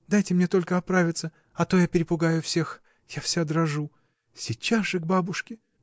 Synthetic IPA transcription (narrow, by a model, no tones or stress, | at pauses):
d̪ajtʲɪmnʲet̪o̞lʲkəɐpɾavʲɪt̪sə | ɐt̪o̞japʲɪɾʲɪpʊɡajʊfsʲe̞x | jafsʲad̪rɐʐu | sʲɪt͡ɕasʐɨɡ̚babʊʂkʲɪ